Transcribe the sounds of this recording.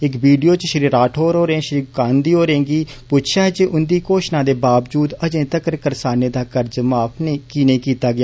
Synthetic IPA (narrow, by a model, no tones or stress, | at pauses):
ɪkbiːɖijoːt͡ʃʃəɾiːɾaːʈʰoːɾɦoːɾẽːʃɾiːkaːnd̪iːɦoːɾẽːɡiːpʊt̪ʃʰaːɦɛd͡ʒeːʔʊnd̪iːkoːʃnãːd̪eːbaːʋd͡ʒuːd̪əd͡ʒẽːt̪əkɾkəɾsaːneːd̪aːkəɾd͡ʒmaːpʰneːkiːnẽːkiːt̪aːɡɪjaː